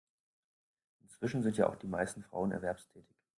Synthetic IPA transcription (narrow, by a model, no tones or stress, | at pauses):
ʔɪnt͡sv̥ɪʃn̩zɪntjaːʔa̰ʊxd̥iːmaɪstn̩fʁ̥a̰ʊənɛɐvɛɐpstʰɛːtʰɪç